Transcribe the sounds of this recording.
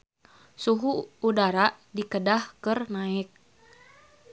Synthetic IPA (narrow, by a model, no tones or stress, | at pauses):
suɦuːdaɾa | dikədahkɨrnaɪk̚